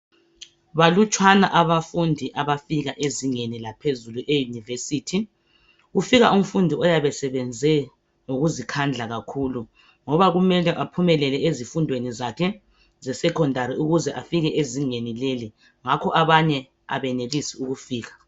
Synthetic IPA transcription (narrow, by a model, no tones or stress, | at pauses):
βalut͡ʃʰʼwanaʔaβafundʱiʔaβafiɣaʔeziŋenilapʰezuluʔejunivesiːtʰi | ɣufiɣa̰um̩fundʱiɔjaβɛsɛβɛnd͡zʱɛ | ŋoɣuzikʰand͡ɮʱaɣakʰulu | ŋɔβaɣumɛlɛʔapʰumɛlɛlɛezifundʱwenizakʰɛ | zɛsɛkʰɔndʱaɾiuɣuzɛʔafiɣɛʔeziŋenileli | ŋakʰɔʔaβaɲɛ | a̰βɛnelisiuɣufiːɣḁ